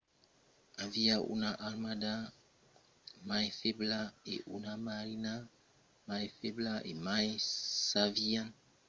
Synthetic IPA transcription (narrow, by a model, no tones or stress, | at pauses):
aviaʔṵnaʔalmada | majfeblaḛʔunamaɾina | majfeblaʔḛmajsavian